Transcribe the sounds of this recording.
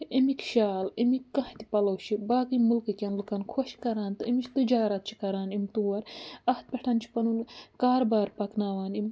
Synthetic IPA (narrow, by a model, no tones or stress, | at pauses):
imikʃaːlimikːɐht̪ʲipɐlɐwʃʰibaːkɨmɨlkɨkʲɐnlɨkɐnkʰoʃkɐɾaːnt̪ɨimit͡ʃʰt̪ɨd͡ʒaːɾɐt̪̚t͡ʃʰi̥kɐɾaːnimt̪uːwɐɾɐht̪̚pʲɐʈʰɐːnt͡ʃʰi̥pɐnunkaːɾbaːɾpɐknaːʋaːnimʲ